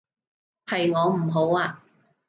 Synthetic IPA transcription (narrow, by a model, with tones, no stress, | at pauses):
hɐ˨jŋɔː˨˧m̩˨˩ɦo˨˥waː˧